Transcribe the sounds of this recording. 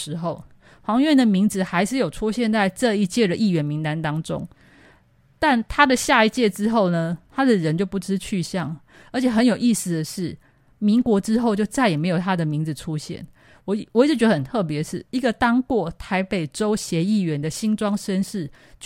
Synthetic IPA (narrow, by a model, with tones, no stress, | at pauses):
ɻ̩˧˥xo˥˩ʊ | xwɑ˧˥ŋ˧ɥɛ˥˨nd̪ə˨mi˧˥ŋd͡zɹ̩˨xa˧˥ɪʂɻ̩˥˩jo˨˩ʊʈ͡ʂʰu˦˥ɕjɛ˥˧nt͡sa˥˧ɪʈ͡ʂɤ˥˧i˧˩t͡ɕjɛ˥˩d̪ə˨ʔi˥˩ɥɛ˧˥nmi˨˦˥ŋt̪a˧˥nt̪ɑ˥ŋʈ͡ʂo̰˦˥ŋ | t̪a˥˩nt̪ʰa˥d̪ə˨ɕja˥˧i˧˥t͡ɕjɛ˥˩ʈ͡ʂɻ̩˥xo˥˩ʊnə˩t̪ʰa˥d̪ə˨ɻə˧˦nt͡ɕjo˥˩ʊpu˥˩ʈ͡ʂɻ̩˥t͡ɕʰy˥˧ɕjɑ˥˩ŋ | ə˧˥t͡ɕʰjɛ˨˩xə˧˦njo˨˩ʊʔi˥˧s̩˨˩d̪ə˩ʂɻ̩˥˩ | mi˧˥ŋkwɔ˧˥ʈ͡ʂɻ̩˥xo˥˧ʊt͡ɕjo˥˧ʊt͡sa˥˩ɪjɛ˨˩me˧˥ɪjo˨˩t̪ʰa˥d̪ə˨mi˧˥ŋd͡zɹ̩˨˩ʈ͡ʂʰu˦˥ɕjɛ̰˥˨˩n | wɔ˨˩wɔ˨˩i˥˧˩t͡ɕɥə˧˩ə˨˩nt̪ʰɤ˥˩p̬jɛ˧˦ʂɻ̩˥˩i˧˥ɡə˨t̪ɑ˥ŋkwɔ˥˩t̪ʰa˧˥ɪpe˨˩ɪʈ͡ʂo˥ʊɕjɛ˧˥i˥˩ɥɛ˧˦nd̪ə˨ɕi˥nʈ͡ʂwɑ˥ŋʂə˥nʂɻ̩˥˩ | t͡ɕ